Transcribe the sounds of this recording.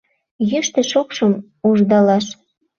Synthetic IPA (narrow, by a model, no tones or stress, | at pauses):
jəʃt̪ĕʃokʃɤ̆m | uʒd̪ɑlɑʃ